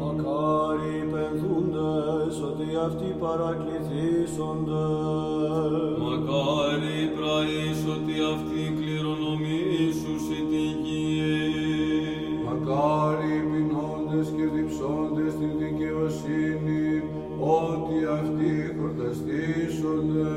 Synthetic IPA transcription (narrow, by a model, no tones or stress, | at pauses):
makaɾipɛnd̪und̪əsɔt̪iaft̪ipaɾakiθisɔnd̪ə | makaɾipɾai | sɔt̪iaft̪ikliɾɔnɔmisusit̪ici | makaɾibinɔnd̪ɛskiɾd̪ipsɔnd̪ɛst̪it̪ikɛvasini | ɔt̪iaft̪ikuɾd̪əst̪isɔnd̪